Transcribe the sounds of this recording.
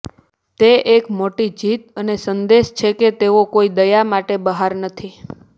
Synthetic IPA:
t̪eʔekmoʈid͡ʒit̪ənesənd̪eʃt͡ʃʰeket̪eokoid̪əjamaʈebəɦaɾnət̪ʰi

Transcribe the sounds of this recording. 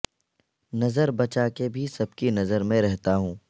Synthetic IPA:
nɐzəɾbɐt͡ʃakebʱisɐb̚kinɐzəɾmẽɾɛɦt̪aɦũː

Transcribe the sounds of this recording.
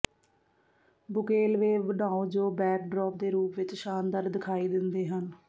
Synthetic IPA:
bʊkeːlʋeːbəɖaːõːd͡ʒoːbɛːk̚ɖɾɔːp̚d̪eːɾuːpʋɪt͡ʃʃaːnd̪əɾ̚d̪ɪkʰaːiːd̪ɪnd̪eːɦən

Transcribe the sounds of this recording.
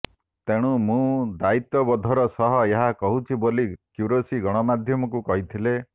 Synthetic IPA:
t̪eɽ̃ũmũd̪ait̪ɔbɔd̪ʱɔɾɔsɔɦɔeɦakɔɦut͡ʃʰibolikjuɾosiɡɔɽ̃ɔmad̪ʱjɔmɔkukɔɦit̪ʰile

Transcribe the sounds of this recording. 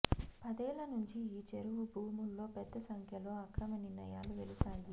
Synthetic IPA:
pɐd̪ɛːlɐnuɲt͡ʃiiːt͡ʃeɾuʋubʱuːmulːo̞ːpɛd̪ːɐsɐŋkʰjɐlo̞ːɐkɾɐmɐniɾnɐ̰jaːluʋelisaːnd̪i

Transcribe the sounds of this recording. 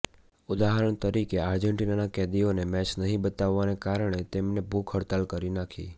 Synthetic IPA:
ʊd̪aɦəɾəɳ̃t̪əɾikeaɾd͡ʒəɳʈinanakɛd̪ionemɛt͡ʃnəɦĩbət̪aʋːanekaɾɳ̃et̪emnebʱukʰɦəɽt̪alkəɾinakʰḭ

